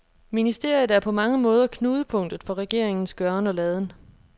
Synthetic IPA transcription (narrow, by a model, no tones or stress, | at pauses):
minisd̥e̝ɐ̰jð̩ˠæɐpʰɒ̽mɑ̈ŋəmɔ̽ːð̞ˠɐkʰnuːð̞ˠəpʰɔ̽ŋ̰d̥ð̩ˠfɒ̽ʁɛɡ̥e̝ɐ̰e̝ŋn̩sɡ̥ɶɐnɒ̽lɛð̞ˠən